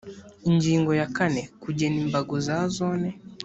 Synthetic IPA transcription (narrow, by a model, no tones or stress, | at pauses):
iɲd͡ʒiŋɡɔjakanɛkuɟɛnimbaɡɔzazɔnɛ